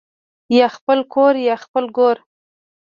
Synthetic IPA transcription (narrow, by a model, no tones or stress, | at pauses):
jɑxpəlkʰoɾjɑxpəlɡoɾ